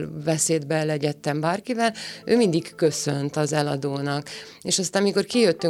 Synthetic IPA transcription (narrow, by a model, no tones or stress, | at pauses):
lvɛseːd̪bɛlːɛɟɛt̪ːɛmbaːrkivɛløːmind̪ikkø̞sønt̪ɒzɛlɒd̪oːnɒk | eːʃɒst̪aːmmiko̞rkijøt̪ːy